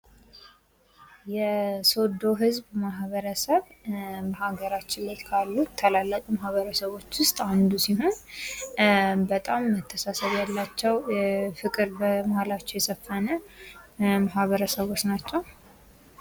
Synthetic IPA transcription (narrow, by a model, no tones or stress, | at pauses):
jɛso̞d̪o̞ɦɨzbmaɦβəɾəsəβmahaɡəɾat͡ʃːɪlːət̪kʰalːut̪ʰːəlalːək̪ʼumahβəɾəsəβo̞t͡ʃːwʊst̪ʼand̪usiɦo̞n | bət̪ʼamːət̪ʰːəsasəβjalːat͡ʃːɛwjɛfɨkʼɨɾbəmahalat͡ʃːɛwjɛsəfːənə | maɦβəɾəsəβo̞t͡ʃnat͡ʃːɛw